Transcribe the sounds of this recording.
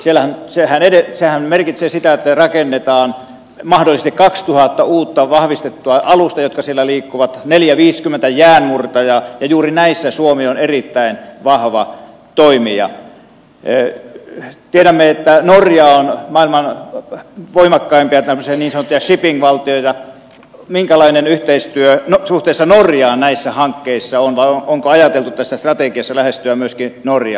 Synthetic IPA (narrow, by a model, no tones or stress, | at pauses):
sielæhænsehænedesehænmerkit̪seːsit̪æet̪ːærɑkenːet̪ɑːn | mɑhdolisest̪ikɑkst̪uhɑt̪ːɑuːt̪ːɑʋɑhʋist̪et̪ːuɑʔɑlust̪ɑjot̪̚kɑsielːæliːkːuʋɑt̪neljæʋiːskymːˑent̪æjæːnmurt̪ɑjɑjɑjuːrinæisːæsuomionerit̪ːæinʋɑhʋɑ̰ | t̪oimiɑ̰ | t̪ieɾæmːeet̪ːænorjɑonmɑˑilmɑn | ʋoimɑkːɑimpiæt̪æmøsiæniːnsɑnot̪ːijɑʃipiŋkʋɑlt̪ioit̪ɑ | miŋkælɑinenyht̪eist̪yønosuht̪eˑisːɑnorjɑːnæisːæhɑŋkːeisːɑonʋɑoʔoŋkoɑjɑt̪elt̪ut̪æsːæst̪rɑt̪ekiɑsːɑlæhest̪yæmyøskinorjɑ̰ː